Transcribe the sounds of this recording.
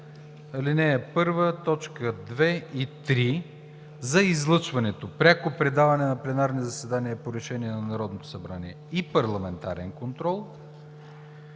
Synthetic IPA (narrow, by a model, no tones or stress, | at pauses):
ɐlinɛɛpɤɾvət̪ɔt͡ʃkəd̪vɛit̪ɾi | zɐizlˠɤt͡ʃvɐnɛt̪opɾʲakopɾɛd̪avɐnɛnɐplɛnaɾnizɐsɛd̪aniəpoɾɛʃɛniɛnɐnɐɾɔd̪not̪o̥sɐbɾaniɛ | ipɐɾlˠɐmɛnt̪a̰ɾɛnkont̪ɾɔlˠ